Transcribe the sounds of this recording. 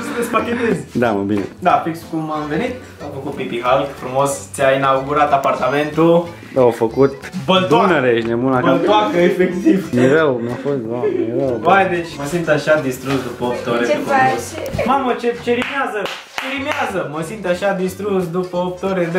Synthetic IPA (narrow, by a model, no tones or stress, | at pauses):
sulespaket̪ezʲd̪aməbined̪afikskumamve̞nit̪ | amfəkut̪̚pipiɦalɡfɾumost̪sʲainauɡuɾat̪apart̪ame̞nt̪u | awfəkut̪bəlt̪uneɾeʃinemunablt̪oakəefekt̪ivmeɾəwmjafost̪ameɾəwpajd̪et͡ʃʲməsint̪aʃad̪ist̪ɾusd̪upəop̚t̪eoɾeep | mamət͡ʃet͡ʃeɾimeazə | t͡ʃe̞ɾimeazəməsint̪aʃad̪ist̪ɾusd̪upəop̚t̪eoɾed̪